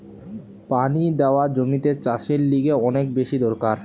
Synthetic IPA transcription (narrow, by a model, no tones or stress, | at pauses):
panid̪eoad͡ʑomit̪et͡ɕaʃeɾliɡeɔnek̚beʃid̪ɔɾkaɾ